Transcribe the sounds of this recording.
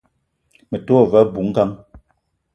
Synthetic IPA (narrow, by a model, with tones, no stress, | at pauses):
mɛ˨to˦˨vɛ˨˦bu˨˦ŋ̩˦ka˦ŋ